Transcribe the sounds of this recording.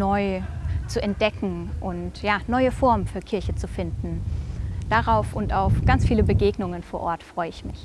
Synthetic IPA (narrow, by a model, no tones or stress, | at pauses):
nɔʏt͡suɛnt̚d̥ɛkŋ̩ | ʔʊntjaːnɔʏəfɔɐmənfyːɐkʰɪɐçət͡sufɪndn̩ | d̥aʁaʊfʊntaʊfɡ̥ant͡sfiːləbəɡeːɡnʊŋənfoːɐʔɔːɐtfʁ̥ɔʏəɪçmɪç